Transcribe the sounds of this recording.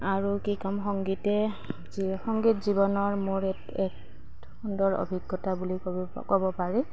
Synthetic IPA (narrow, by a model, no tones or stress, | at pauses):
aɹukikɔmxɔŋɡitɛ | ixɔŋɡitzibɔnɔɹmoɹɛt | ɛk̚ | xundɔɹo̰bʱiɡːɔtabuli | kɔbɔpaɹɛ